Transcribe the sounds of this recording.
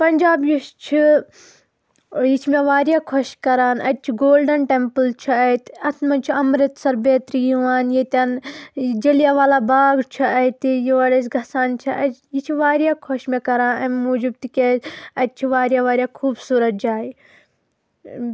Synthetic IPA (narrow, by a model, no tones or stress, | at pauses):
pɐnd͡ʒaːbjiʃt͡ʃʰi | jit͡ʃʰimeʋaːɾjaːkʰɔʃkɐɾaːnɐt̪̚t͡ʃʰiɡoːlɖɐnʈemplt͡ʃʰiɐt̪ɐt̪ʰmɐnt͡ʃʰiɐmɾɐt̪sɐɾbeːt̪ɾijuʋaːnjit̪aːnd͡ʒɐlijaːʋaːlaːbaːɡt͡ʃʰɐɐt̪ijiʋɐɽɐsɡʱɐsaːnt͡ʃʰɐʔɐjit͡ʃʰiʋaːɾjaːkʰɔʃmekɐɾãːnɐmmuːd͡ʒib̚t̪ikeɐt̪̚t͡ʃʰiʋaːɾjaːʋaːɾʲjaːkʰuːbsuːɾɐt̪̚d͡ʒaːi